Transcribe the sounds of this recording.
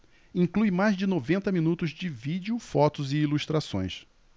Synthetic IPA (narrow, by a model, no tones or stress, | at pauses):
ĩŋklujmajzd͡ʒɪnovẽnt̪ɐminut̪ʊzd͡ʒɪvid͡ʒiʊfɔt̪ʊzɪiluʃt̪ɾasõ̰j̃s